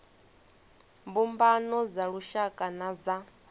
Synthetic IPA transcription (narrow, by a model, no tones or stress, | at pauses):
mbumbanɔzaɺuʃakʼanaza